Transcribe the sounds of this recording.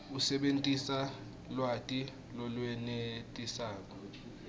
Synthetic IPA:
usɛɓentʼisa | lwatʼi | lɔlwɛnetʼisaːk̬ʼɔ

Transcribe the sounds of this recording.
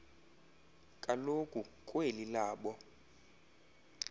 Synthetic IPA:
kʼalokʼukʼwelilaːɓɔ

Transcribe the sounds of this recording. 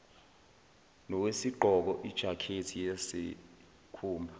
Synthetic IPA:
nɔk̬wesiɡ͡ǃʱɔk̬ɔʔid̥ʒ̥ʱakʰetʰijasḛ | kʰuːmbʱa

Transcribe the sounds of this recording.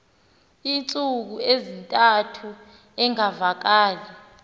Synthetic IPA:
int͡sʼuk̬uezintʼatʰu | ɛŋavak̬aːli

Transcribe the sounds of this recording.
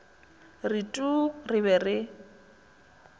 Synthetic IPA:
ritʼurɪβɛrɪ

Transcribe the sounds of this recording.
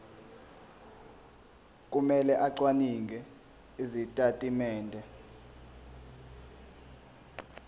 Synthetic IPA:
k̬ʼumɛlɛʔaǀwaniŋɡʱɛ | izitʼatʼimɛːndʱɛ

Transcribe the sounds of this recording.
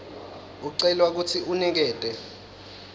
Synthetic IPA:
uǀɛlwak̬ut͡sʰiʔunɛk̬ɛːtʼɛ

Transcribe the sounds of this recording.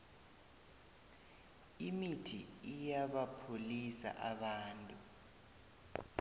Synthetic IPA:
imitʰiijaɓapʰolisa̰ʔaɓaːntʼu

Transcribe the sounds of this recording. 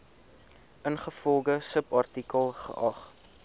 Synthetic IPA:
ənχəfɔlˠɡəsəpɐrtikəlˠχə̰ʔɐχ

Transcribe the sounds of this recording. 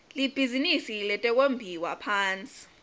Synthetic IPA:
lib̥ʱizinisilɛtʼɛk̬ʼombʱiwapʰaːnt͡sʼi̥

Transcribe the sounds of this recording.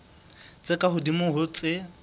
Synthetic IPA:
t͡sʼɪkʼaɦʊdimʊɦʊt͡sʼɪ

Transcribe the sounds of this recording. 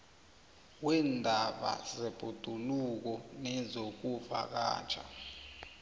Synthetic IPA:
wɛndʱaɓa̰zɛb̥ʱud̥ʱuluk̬ɔnɛzok̬uva̰k̬a̰̥ːt͡ʃʰa̰

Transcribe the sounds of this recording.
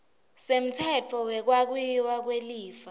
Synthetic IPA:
sem̩tʰɛt͡fʰɔwɛk̬wak̬wujiwak̬weliːfa

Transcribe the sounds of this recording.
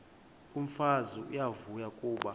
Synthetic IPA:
uɱ̩fazuʔijavujakʼuːɓa

